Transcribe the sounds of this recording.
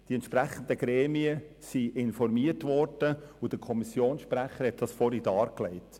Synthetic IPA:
d̥iɛntʃpɾæχən̩d̪əɡ̥ɾeːmiə | siʔɪnfɔɾmiərtʋɔrd̥əʊd̥̪əkʰɔmisjoːnsʃpɾæχːəɾhɛt̚d̥ɑsfɔɾidɑːɾklɛɪt

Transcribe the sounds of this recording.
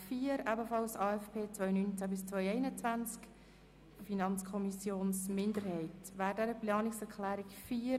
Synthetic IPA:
fiːəɾɑbəfɑlsɑːɛfpʰeːt͡sʋœʏnynt͡sæbɪst͡sʋœʏɛɪnət͡svænt͡sk | finɑnt͡skʰɔmisjoːnsmɪndəɾhɛɪtʋæːdɛɾəplɑːnɪksɛɾkʰlæːɾɪkfiː

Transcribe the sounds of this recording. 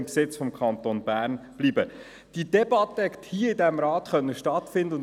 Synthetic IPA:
mksɪt͡sfɔmkʰɑnt̪onbæːɾnb̥liːbə | d̥idɛbɑt̪ːəɛkət̪hiəɪdɛmɾɑːtχœnːəʃtɑtfɪnd̪əʊn

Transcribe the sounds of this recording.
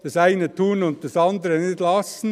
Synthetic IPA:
d̥ɑsæɪnətʰuːnʊnt̚tɑsɑndəɾənɪtlɑsn̩

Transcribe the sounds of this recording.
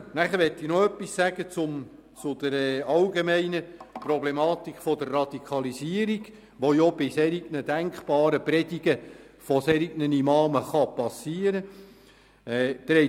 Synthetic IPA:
næχəɾʋɛt̪ːinoœpːisːæɡ̥ət͡sʊm | t͡sʊd̪̥əɾɛɑlɡemɛɪnəprɔblemɑːt̪ikχfɔd̥̪ərːɑd̥̪ikʰɑliziəɾiɡ̥ | ʋojobɪsɛɾiɡnəd̥̪æŋkχpɑːɾəpɾɛd̥iɡə | fɔsɛɾiɡnənimɑːməχɑpɑsːiːəɾə | ɛːd̪̥ɛɾɛ

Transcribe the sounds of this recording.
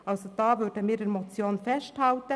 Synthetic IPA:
ʔɑlsod̥ɑːʋʏɾdəmiːɾdɛɾmot͡sjoːnfɛsthɑltə

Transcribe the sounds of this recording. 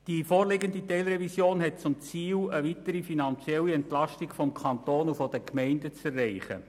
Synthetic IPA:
d̥ifoːɾleɡənditɛɪlɾɛvisjoːnɦɛt̚t͡sʊmt͡siːləʋitəɾifinɑnt͡sjɛlːiɛntlɑʃtiɡfɔmkʰɑntoːnufɔd̥əkmɛɪndət͡sɛrːɛɪχə̰

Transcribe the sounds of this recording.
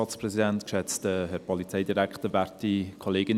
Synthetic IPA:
ɑt͡sprɛzidɛntkʃɛt͡stəɦɛɾpʰɔlit͡sɛɪdiɾæktəɾvæɾtikʰoleːɡɪn

